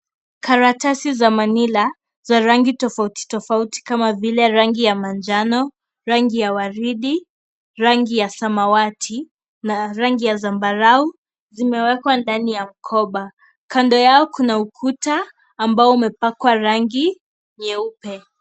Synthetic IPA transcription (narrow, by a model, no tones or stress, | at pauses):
kaɾatasizamanila | zaɾaŋɡitɔfauti̥tɔfauti̥kamavilɛɾaŋɡijamand͡ʒanɔ | ɾaŋɡijawaɾiɗi | ɾaŋɡijasamawatʰi | naɾaŋɡijazambaɾau | zimɛwɛkwandanijam̩kʰɔɓa | kandɔjaɔkunaukʰutaː | mbaɔumɛpakwaɾaŋɡi | ɲɛupɛ